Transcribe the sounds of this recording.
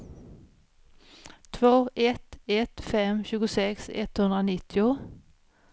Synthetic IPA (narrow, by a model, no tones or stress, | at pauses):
t̪ʰvoːɛt̪ɛt̪fɛmɕʉːɡʊsɛksɛ̰t̪hɵnd̪ɾanɪt̪ːɪʊ